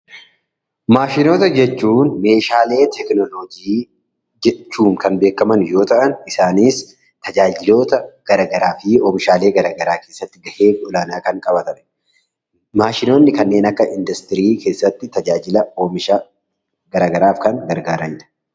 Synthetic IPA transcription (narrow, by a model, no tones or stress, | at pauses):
maːʃɪno̞ːt̪ɐd͡ʒɛt͡ʃːuːnme̞ːʃaːle̞ːt̪ɛknɔlod͡ʒiː | d͡ʒɛt͡ʃːuːŋkɐnbe̞ːkɐmɐnjo̞ːt̪ɐʔɐnɪsaːniːs | t̪ɐd͡ʒaːd͡ʒɪlo̞ːt̪ɐɡ̥ɐɾɐɡɐɾaːfɪoːmɪʃaːle̞ːɡɐɾaːɡɐɾaːke̞ːsːɐt̪ːɪɡɐheːɡɔlaːnaːkɐŋkʼɐbɐt̪ɐn | maːʃɪnoːnːɪkɐnːe̞ːnɐkːɐʔɪnd̪ɐst̪ɪɾiːke̞ːsːɐt̪ːɪt̪ɐd͡ʒaːd͡ʒɪlɐoːmɪʃ | ɡɐɾaːɡɐɾaːfkɐŋɡɐɾɡaːɾɐɲːɐ̥